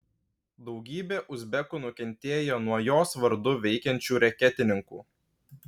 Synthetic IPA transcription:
d̪ɒʊɡʲiːbʲeːʔʊzʲbʲɛkuːnʊkʲɛnʲt̪ʲeːjoːnuɔjoːsʋɐɾd̪ʊʋʲɛɪkʲɛnʲt͡ʃʲuːɾʲɛkʲɛt̪ʲɪnʲɪŋkṵː

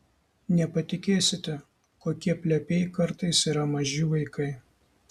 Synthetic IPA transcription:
nʲɛpɐt̪ʲɪkʲeːsʲɪt̪ʲɛ | koːkʲiɛpʲlʲɛpʲeːɪkɐɾt̪ɐɪsiːɾɐmɐʒʲuʋɐɪkʰɐɪ

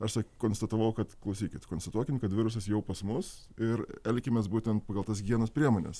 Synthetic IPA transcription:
ɐʃsɐkkoːnst̪ɐt̪ɐʋɐʊkɐt̪klˠɐʊsʲiːkʲɪt̪koːnst̪ɐt̪uɔkʲɪmkɐt̪ʋʲɪɾʊs̬ɐsjɛʊpɐsmʊs | ɪɾɛlʲkʲɪmʲesbuːt̪ʲɛnt̪̚pɐɡɐlˠt̪ɐs̬ɡʲiɛnɐspʲɾʲiɛmoːnʲɛ̰s

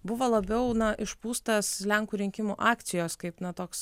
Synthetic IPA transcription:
bʊʋoːlˠɐbʲɛʊnɐʔɪʃpuːst̪ɐslʲɛŋkuːɾʲɪŋʲkʲɪmuːʔɑːkt̪sʲɪjoːskɐɪpnɐt̪oːks

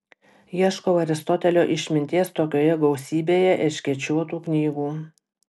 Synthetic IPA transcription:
jiɛʃkoːɐɾʲɪst̪ɔt̪ʲɛlʲoːʔɪʃʲmʲɪnʲt̪ʲiːɛst̪oːkʲoːjɛɡɔʊsʲiːbʲeːjɛʔɪʃʲkʲiɛt͡ʃʲuɔt̪uːknʲiːɡuː

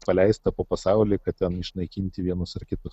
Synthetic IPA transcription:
pɐlʲɛɪst̪ɐpoːpɐsɑˑʊlʲiːkɐt̪ʲt̪ʲɛnɪʃnɐɪkʲinʲt̪ʲɪʋʲiɛnʊsɐɾkʲɪt̪ʊs

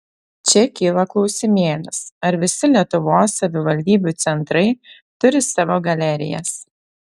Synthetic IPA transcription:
t͡ʃʲɛkʲiːlˠɐklˠɒʊsʲɪmʲeːlʲɪsɐɾʋʲɪsʲɪlʲiɛt̪ʊʋoːsːɐʋʲɪʋɐlʲd̪ʲiːbʲuːˑt̪sʲɛnt̪ɾɐɪ | t̪ʊɾʲɪsɑːʋoːɡɐlʲɛɾʲɪ̰jɛ̰s

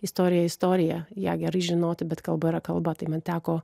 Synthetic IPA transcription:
ɪst̪oːɾʲɪjɛɪst̪oːɾʲɪjɛjɛːɡʲɛɾɐɪʒʲɪnoːt̪ʲɪbʲɛt̪kɐlˠbɐɪɾɐkɐlˠbɐt̪ɐɪmɐnt̪ʲæːkoː

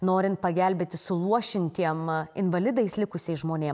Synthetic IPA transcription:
noːɾʲɪnt̪̚pɐɡʲælʲbʲeːt̪ʲɪsʊlˠuɔʃʲɪnʲt̪ʲiɛmɪnʋɐlʲɪd̪ɐɪslʲɪkʊsʲɛɪsʒmoːnʲeːm

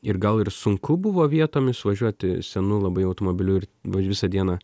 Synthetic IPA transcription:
ɪɾɡɐlˠɪɾsʊŋkʊbʊʋoːʋʲiɛt̪oːmʲɪsʋɐʒʲuɔt̪ʲɪsʲɛnʊlˠɐbɐɪɐʊt̪oːmoːbʲɪlʲuɪɾʋɐʋʲɪsɐd̪ʲiɛnɑː

